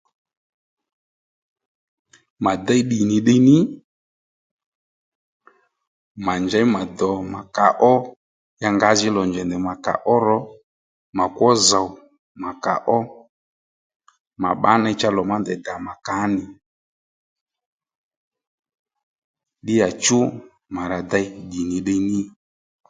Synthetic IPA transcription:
ma˨d̪ɛ˦jɗi˨nɪ˨ɗe˦nɪ˦ | ma˨nd͡ʒa˨˦ma˨d̪ɔ˨ma˨ka˨ʔɔ˦ | ja˧ŋɡa˨˦zɪ˦lɔ˨nd͡ʒɛ˨ndɛ˨ma˨ka̰˨ʔɔ˦ɾɔ˨˦ | ma˨kwɔ˦za˨w | ma˨ka̰˨ʔɔ˦ | ma̰˨ɓa˨˦na˧˦t͡ʃa˦lɔ˨ma˦nd̪ɛ˨da˨ma˨ka˨˦nɪ˨ | ɗɪ˦ja˨t͡ʃʊ˦ | ma˨ɾa˨d̪a˧jɡi˨ni˨ɗə˧nɪ˦

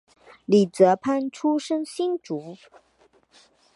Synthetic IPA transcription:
li˨˩t͡sɤ˧˥pʰa˥˧nʈ͡ʂʰu˥ʂə˥ŋɕi˥nʈ͡ʂu˨˥

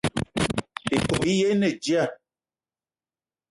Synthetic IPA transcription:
i˨ko˨bi˦je˦nɛ˨d͡ʒi˦a˦˨

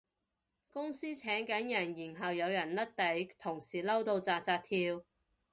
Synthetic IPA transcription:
kʊ˥ŋsiː˥t͡sʰɛː˨˥ŋkɐ˨˥njɐ˨˩njiː˨˩nɦɐ˨wjɐ˨˧wjɐ˨˩nlɐ˥t̚t̪ɐ˨˥jt̪ʰʊ˨˩ŋsiː˨˩lɐ˥wt̪o˧wt͡saː˧t̚t͡saː˧t̚t̪ʰiː˧w

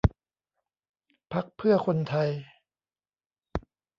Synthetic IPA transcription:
pʰa˦˥k̚pʰɯ˥˩ɐkʰo˧nt̪ʰa˧j

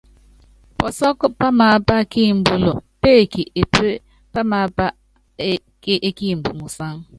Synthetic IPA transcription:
pɔ˨sɔ˦kʊ˦pa˦ma˨˦pa˦ki˦˨m̩˨bʊ˨lo˨pe˦˨ki˨e˨pe˦ | pa˦ma˨˦pa˦ | ʔe˦ki˦˨m̩˨bṵ˨mu˨sa˦ŋ˦

